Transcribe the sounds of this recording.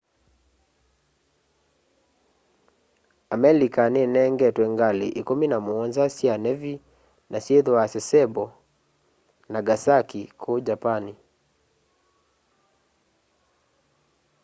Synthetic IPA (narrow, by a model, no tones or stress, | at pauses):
amɛlikanɛnɛŋɡɛtwɛŋɡalḭʔikominamuɔnzasianɛvi | nasieðwasɛsɛbɔ | naɡasakikʰod͡ʒapani